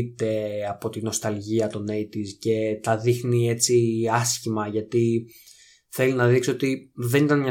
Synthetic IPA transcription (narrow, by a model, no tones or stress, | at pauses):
t̪e̞ɐpo̞t̪ino̞st̪ɐlʝiɐt̪o̞neit̪isce̞t̪ɐðixnie̞t͡siɐsçimɐʝɐt̪i | θe̞linɐðiksot̪iðenit̪ɐnɲɐ